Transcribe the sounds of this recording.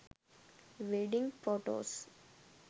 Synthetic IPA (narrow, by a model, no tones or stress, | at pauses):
ʋeːɖĩŋɡfoːʈo̰ːs